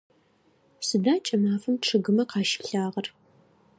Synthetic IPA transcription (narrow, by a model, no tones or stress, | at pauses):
sɨdaːt͡ʃʼɐmaːfɨmʈ͡ʂʰɨɣɨmɐqɑːʃɪ̥ɬaːʁɐr